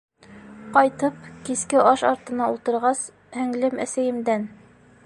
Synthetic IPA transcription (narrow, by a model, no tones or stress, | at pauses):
qɒjt̪ɤp̚kiskɘɑʃɑ̰ɾt̪ɤ̆nɑulˠt̪ɤ̆ɾʁɑs | hæŋlɘmæ̰sæjɘ̆md̪æn